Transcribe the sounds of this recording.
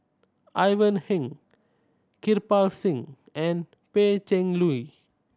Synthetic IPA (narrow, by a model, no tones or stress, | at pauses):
ʔajvə̃nhĩŋ | kirpalsĩŋ | ɛ̃n | pet͡ʃɛ̃ŋlui